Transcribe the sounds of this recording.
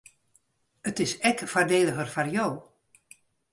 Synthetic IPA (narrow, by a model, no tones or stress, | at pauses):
ətɪsɛkfardeːləɣərfarjow